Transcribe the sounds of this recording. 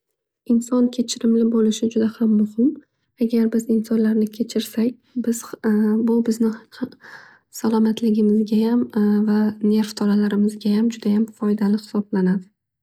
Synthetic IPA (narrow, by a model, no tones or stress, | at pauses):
ɪnsɒnkʲʰe̞t͡ʃʰɪɾɪmlɪbolɪʃɪd͡ʒʊd̪ahamːʊhɪm | aɡʲaɾbɪzɪnsɒnlaɾnɪkʲʰe̞t͡ʃʰɪɾsak̚ʲ | bɪz̥bʊbɪznɪa | salˠɒmat̪ʰlɪɡʲɪmɪzɡʲajamvane̞ɾft̪ʰɒlalaɾɪmɪzɡʲajamd͡ʒʊd̪ajamfɒjd̪alɪhɪ̥sɒblanad̪ɪ